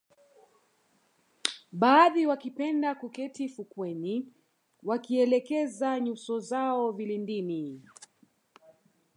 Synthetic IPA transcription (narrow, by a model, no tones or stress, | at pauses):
ɓaːðiwakipɛndakukɛtifukwɛni | wakiɛlɛkɛzaɲusɔzaɔvilindini